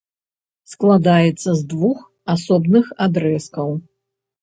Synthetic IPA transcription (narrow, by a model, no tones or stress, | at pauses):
sklˠad̪ajɛt̪sːɐzd̪vux | asɔbnɨxad̪ɾɛskɐw